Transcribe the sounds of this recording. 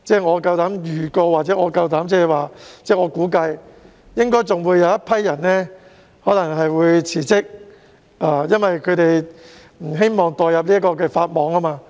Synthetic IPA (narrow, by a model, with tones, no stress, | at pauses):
t͡sɛː˥˩ŋɔː˨˧kɐ˧wt̪aː˨˥mjyː˨˩kɔː˧waː˨t̚t͡sɛː˨˥ŋɔː˨˧kɐ˧wt̪aː˨˥mt͡sɛː˥˨waː˨t͡sɛː˥˩ŋɔː˨˧kuː˨˥kɐ˧j | jɪ˥ŋkɔː˥jt͡sʊ˨ŋwuː˨˧jɐ˨˧wjɐ˥t̚pʰɐ˥jːɐ˨˩nlɛː˥ | hɔː˨˥lɐ˨˩ŋɦɐ˨jwuː˨˧jt͡sʰiː˨˩t͡sɪ˥k̚ | aː˧jɐ˥nwɐ˨jkʰɵ˨˧t̪e˨j | m̩˨˩ɦe˥jmɔː˨ŋt̪ɔː˨jɐ˨p̚liː˥kɔː˧k̬ɛː˧faː˧t̚mɔː˨˧ŋɐ˥maː˧